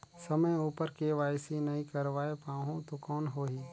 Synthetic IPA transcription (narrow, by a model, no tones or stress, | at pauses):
səməjuːpəɾkeʋaːjsinɐɦĩkəɾʋaːepaːɦõt̪okɔːnɦoːɦiː